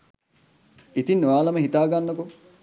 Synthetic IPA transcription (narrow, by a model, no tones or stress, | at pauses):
it̪inːʋaːlɐmɐɦit̪aːɡanːɐko